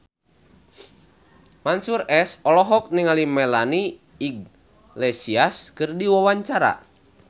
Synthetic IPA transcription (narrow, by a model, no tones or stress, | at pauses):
mansurɛsɔlɔɦɔk̚niŋalimɛlaniː | ɡ̚ | lɛsiaskɨrdiwawaɲt͡ʃaɾa̰